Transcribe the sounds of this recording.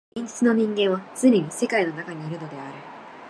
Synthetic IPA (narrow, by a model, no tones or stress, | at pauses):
ĩɲ̟d͡ʑi̥t͡sɨno̞ɲ̟ĩŋɡẽ̞ɰ̃βat͡sɨɾʲeɲ̟ise̞kaino̞nakaɲ̟iːɾɯ̟no̞d̪e̞aɾɯ̟